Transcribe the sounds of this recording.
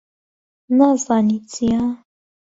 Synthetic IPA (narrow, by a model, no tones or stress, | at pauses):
nazanit͡sʰija